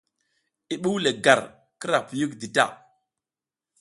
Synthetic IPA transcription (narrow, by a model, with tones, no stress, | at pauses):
i˨ɓu˦wle˨ɡa˨ɾ | kə˦ɾa˨pju˦kdi˨ta̰˦˨